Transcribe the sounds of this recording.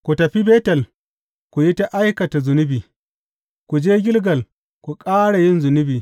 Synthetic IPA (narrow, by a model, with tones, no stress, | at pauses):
kʷu˨tɐ˨ɸi˦beː˦tɐ˨l | ku˨ji˦ta˦ʔa˦jkɐ˨ta˨zʊ˨nʊ˦biː˨ | kʷu˨d͡ʒeː˦ɡʲɪ˦lɡɐ˨l | kʷu˨kʼaː˦ɽa˨jɪ˦nzʊ˨nʊ˦biː˨